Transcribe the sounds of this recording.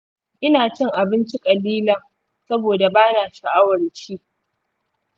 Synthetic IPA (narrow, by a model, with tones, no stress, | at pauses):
ʔɪ˦naː˨t͡ʃɪ˦ŋʔa˨bɪ˦nt͡ʃi˦kʼɐ˨liː˦lɐ˨ŋ | sɐ˦boː˨da˨baː˦naː˨ʃa˨ʔa˦wɐ˨rt͡ʃiː˦